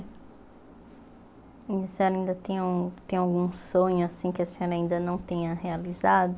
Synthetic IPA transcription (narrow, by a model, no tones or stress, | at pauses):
ɐseɲɔɾaĩnd̪ɐt̪ẽj̃ũt̪ẽj̃awɡũsõɲʊasĩkɪɐsẽɲɔɾɐaĩnd̪ɐnɐ̃w̃t̪ẽɲɐhealizad̪ʊ